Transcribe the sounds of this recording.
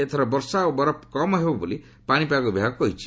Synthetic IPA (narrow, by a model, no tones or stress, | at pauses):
et̪ʰɔɾɔbɔɾsaobɔɾɔpkɔmɔɦebɔboli | paɽ̃ipakubʱiaɡkɔɦit͡ʃʰi̥